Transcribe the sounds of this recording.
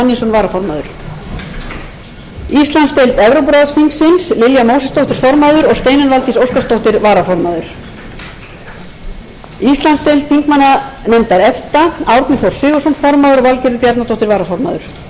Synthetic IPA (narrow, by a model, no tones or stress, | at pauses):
nːisɔnvaːɾafɔɾmaðʏ̰ɾ̥ | ist̪lanst̪ejlt̪ɛvɾowp̬ɾɔðsfiŋksɪnslɪljamoːwsɛst̪owht̪ɪɾ̥fɔɾmaðʏɾɔɣst̪eːjnʏnvalt̪isowskast̪owht̪ɪɾvaːɾafɔɾmaðʏɾ̥ | ist̪lanst̪ejlt̪θiŋkmanːanɛmt̪aɾɛft̪aawɾt̪nɪθowɾ̥svɪːɣʏsunfɔɾmaðʏɾɔɣvalcɛɾðʏpjaɾt̪nat̪ʰowht̪ɪɾvaːɾafɔɾma̰ðʏɾ̥